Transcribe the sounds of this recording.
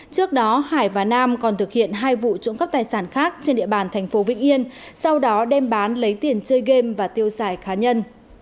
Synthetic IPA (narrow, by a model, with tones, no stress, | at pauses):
t͡ɕɨ˦˥ək̚ɗɔ˨˦haː˧˩jvaː˨˩naː˧mkɔ˨˩nt̪ʰɨ˨˩k̚hḭ˧˨ənɦaː˧jvṵ˧˨t͡ɕʊ̰˧˥ŋ͡mkə˦˥p̚t̪aː˨˩jsaː˧˩nxaː˦˥k̚t͡ɕe˧nɗḭ˧˨əɓaː˨˩nt̪ʰɛ˨˩ŋ̟fo˨˦vḭ̈˧˥ŋ̟ʔi˧ənsa˧wɗɔ˨˦ɗɛ˧mɓaː˨˦nlə˨˦jt̪i˨˩ənt͡ɕəː˧jɣe˧mvaː˨˩t̪i˧əwzaː˧˩jxaː˨˦ɲə˧n